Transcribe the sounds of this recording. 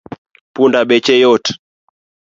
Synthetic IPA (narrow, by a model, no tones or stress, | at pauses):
pundaɓɛt͡ʃɛjɔt